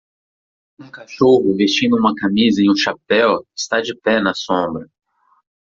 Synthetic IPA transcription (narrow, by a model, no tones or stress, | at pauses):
ũkaʃoɦʊvest͡ʃĩnd̪ʊũmɐkamizɐẽj̃ũʃapɛwɪ̥st̪ad͡ʒɪpɛnɐsõmbɾɐ